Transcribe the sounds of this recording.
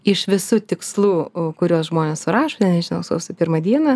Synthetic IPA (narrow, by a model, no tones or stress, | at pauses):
ɪʃʋʲɪsuːt̪ʲɪkslˠuːkʊɾʲoːsʒmoːnʲessʊɾɑːʃoːnʲɛnʲɛʒʲɪnɐʊso̰ʋsʊpʲɪɾmɐd̪ʲiɛnɐ